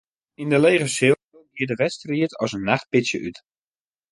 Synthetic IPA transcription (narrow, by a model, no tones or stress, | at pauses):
indəlejɣəsɪ | əɡiədəʋɛstriətʰɔsənːaχt̚pɪsjəʔyt